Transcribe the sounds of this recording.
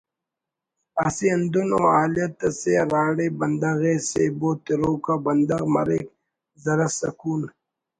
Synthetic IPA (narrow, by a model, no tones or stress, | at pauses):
asiɐnd̪unoːaːlijɐt̪ːɐseɾaːɽebɐnd̪ɐɣeːsḛboːt̪iɾoːkabɐnd̪ɐɣmɐ̰ɾek | zɐɾɐsɐ̰kuːn